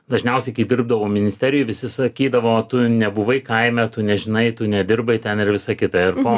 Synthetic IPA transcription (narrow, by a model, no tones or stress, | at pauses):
d̪ɐʒʲnʲɛʊsʲɛɪkʲiːd̪ʲɪrb̚d̪ɐʋoːmʲɪnʲɪsʲt̪ʲɛɾʲɪjʊʋʲɪsʲɪsɐkʲiːd̪ɐʋoːt̪ʊnʲɛbʊʋɐɪkɐɪmʲɛt̪ʊnʲɛʒʲɪnɐɪt̪ʊnʲɛd̪ʲɪrbɐɪt̪ʲɛnɪrʋʲɪsɐkʲɪt̪ɐɪrpo